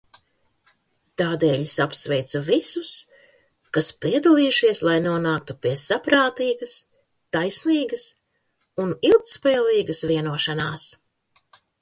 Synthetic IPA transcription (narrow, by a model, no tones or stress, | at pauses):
t̪aːd̪eːlʲisapsvɛjt̪suvisus | kaspiɛd̪alˠiːuʃiɛslˠajnuɔnaːk̚t̪upiɛsapɾaːt̪iːɡɐs | t̪ajsniːɡɐs | unilˠk̚t̪spɛːlˠiːɡɐsviɛnuɔʃanaːs